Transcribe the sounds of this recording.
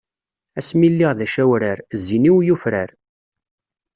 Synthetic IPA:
æsmilːiʁðæʃæwɾaɾzːiniwjufɾaɾ

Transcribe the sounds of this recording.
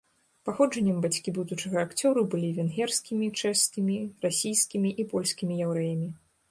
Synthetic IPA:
paxɔd͡ʐɐnʲːɛmbat͡sʲkʲibud̪ut͡ʂɨɣɐːkt͡sʲɔɾubɨlʲivʲɛnɣʲɛrskʲimʲit͡ʂɛskʲimʲirasʲijskʲimʲiʔipɔlʲsʲkʲimʲijɛwɾɛjɐmʲi

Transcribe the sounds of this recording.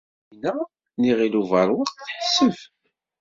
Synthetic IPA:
næ | niʁiluvəɾˤwəqθħəsːəv

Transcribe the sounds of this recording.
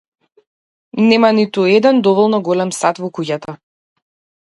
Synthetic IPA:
nɛmanit̪uɛd̪ɛnd̪ɔvɔlˠnɔɡɔlɛmsat̪vɔkuɟat̪a

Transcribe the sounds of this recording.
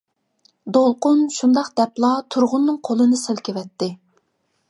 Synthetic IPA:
d̪olˠqʊnʃund̪ɑqd̪̥ɛplˠɑt̪ʰuɾʁʊnːɨŋqʰolˠɨnɨsɪlˠkʲɪvɛt̪ːɪ

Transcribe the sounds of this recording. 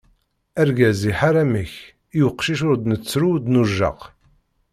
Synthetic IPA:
æɾɡæziħaɾamiç | juqʃiʃʊɾd̪nət͡sːɾud̪nuʒːə̰q

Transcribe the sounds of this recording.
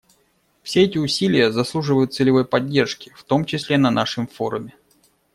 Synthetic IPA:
fsʲeɛtʲɪʊsʲilʲɪjəzɐslˠuʐɨvəjʊt̪̚sɨlʲɪvo̞jpɐdʲːe̞rʂkʲɪ̥ft̪o̞mt͡ɕɪsʲlʲenɐnaʂɨmfo̞ɾʊmʲɪ

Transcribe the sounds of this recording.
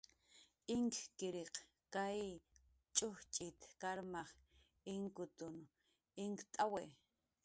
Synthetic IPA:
ɪŋkkɪɾeq | kaj | t͡ʃʼʊht͡ʃʼɪt̪kaɾmaχ | ɪŋkʊt̪ʊn | ɪŋkt̪ʼawe

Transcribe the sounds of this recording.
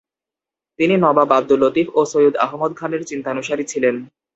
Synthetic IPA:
t̪ininɔbabab̚d̪ulot̪ifosojud̪a̰ɦmod̪̚kʰaneɾt͡ɕint̪anuʃaɾit͡ɕʰilen

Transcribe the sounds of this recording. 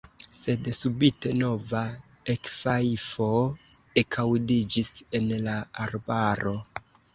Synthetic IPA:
se̞dsubite̞no̞va | ekfafo̞ekʰawdid͡ʒisenlaːɾbaɾo̞

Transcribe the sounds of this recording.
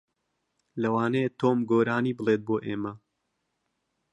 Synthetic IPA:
lɐwaːnejet̪ʰoːmɡoːɾaːniːbɨlˠeːt̪̚boːʔeːmɐ

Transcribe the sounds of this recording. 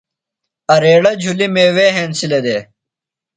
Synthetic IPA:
ɐɾeːɽɐd͡ʑʱulimeːweːɦeːnsiled̪eː

